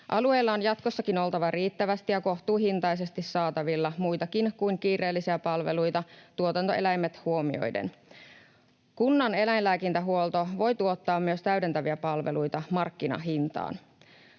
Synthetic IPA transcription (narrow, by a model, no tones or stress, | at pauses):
ʔɑlue̞ːlːɑonjɑt̪ko̞sːɑkino̞lt̪ɑʋɑriːt̪ːæʋæst̪ijɑko̞ht̪uːɦint̪ɑjse̞st̪issɑːt̪ɑʋilːɑmujt̪ɑkinkuiŋkiːre̞ːlːisiæpɑlʋe̞lujt̪ɑt̪uot̪ɑnt̪o̞̰e̞læjmːet̪huo̞mio̞̰jdḛn | kunːɑne̞læjnlæːkint̪æɦuolˠt̪o̞ʋo̞jt̪uo̞t̪ːɑːmːyøst̪æɥde̞nt̪æʋiæpɑlʋelujt̪ɑmɑrkːinɑ̰ɦint̪ɑ̰ːn